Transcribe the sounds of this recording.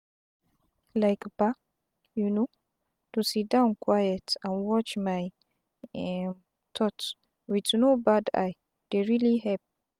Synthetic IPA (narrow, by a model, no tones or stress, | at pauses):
lajkb̥a | juno | t̪usidãwnkʰwajətãnwɔt͡ʃmaj | t̪ʰɔt | witnobada̰j | d̪̥eɹiliɦɛp̚